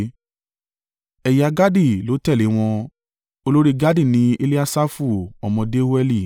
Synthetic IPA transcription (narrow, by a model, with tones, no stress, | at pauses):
ɛ˨ja˧ɡa˦di˦˨lo˨˦tɛ˦˨le˨˦w̃ɔ̃˧ | o˧lo˦ɾi˦˧ɡa˦di˦˨nĩ˨˦e˦˧li˦a˦sa˦fu˦˨ɔ˨mɔ̃˧de˦o˦ɛ˦˧li˦˨